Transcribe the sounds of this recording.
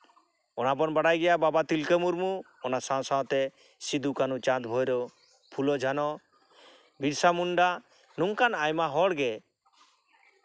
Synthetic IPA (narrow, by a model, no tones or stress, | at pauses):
ɔnap̬ɔnbaɽajɡɛjababat̪ilkəmuɾmu | ɔnasãw̃saw̃t̪ɛ | sid̪ukanut͡ʃãt̪bʱɔjɾɔ | pʰulɔd͡ʒʱanɔ | biɾsamunɖa | nuŋkanajmaɦɔɽɡɛ